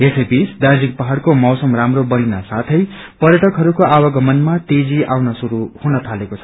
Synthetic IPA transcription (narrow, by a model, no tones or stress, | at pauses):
esʌjbit͡sʰd̪ard͡zik̚pʌɦaɽkomʌwsʌmramrobʌɽinasat̪ʰʌj | pʌɾjʌʈʌkɦʌɾukoʔawʌɡʌmʌnmat̪ed͡ziawnʌsuɾuhunʌt̪ʰalekot͡sʰʌ̥